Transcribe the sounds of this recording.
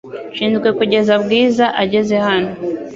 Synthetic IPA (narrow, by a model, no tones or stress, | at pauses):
ʃiːndukwe̞kuɟe̞zabɡiːzaʔaɟe̞ze̞hano